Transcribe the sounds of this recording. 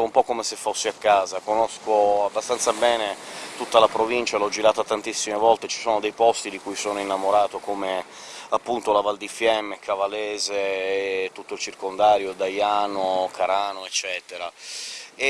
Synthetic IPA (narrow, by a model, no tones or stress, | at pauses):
umpɔkːomesefːosːiakːaːzakonoskoabːast̪ant̪sabɛːnet̪ut̪ːalapɾovint͡ʃalɔd͡ʒiɾaːt̪at̪ant̪isːimevɔlt̪et͡ʃi̥soːnod̪ejpɔst̪id̪ikujsoːnoinːamoɾaːt̪okoːme | apːunt̪olavald̪ifjɛmːekavalɛːzet̪ːut̪ːoilt͡ʃirkond̪aːɾjod̪ajaːnokʰaɾaːnoet͡ʃːɛːt̪eɾa | e